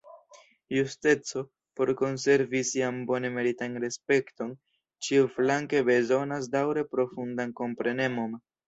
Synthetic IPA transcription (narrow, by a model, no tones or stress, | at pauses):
juste̞t͡so̞ | po̞ɾko̞nse̞ɾvisiambo̞ne̞me̞ɾitanɾe̞spe̞kto̞n | t͡ʃiuflaŋke̞be̞zo̞nas̬dawɾe̞pɾo̞fundanko̞mpɾe̞ne̞mo̞n